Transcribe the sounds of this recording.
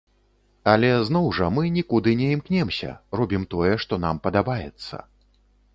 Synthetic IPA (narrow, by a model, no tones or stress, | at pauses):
ɐlʲɛzn̪ɔwʐɐmɨnʲikud̪ɨnʲɛimknʲɛmsʲɐ̰ɾɔbʲimt̪ɔjɛʂt̪ɔnampɐd̪abajɛt̪sːɐ̰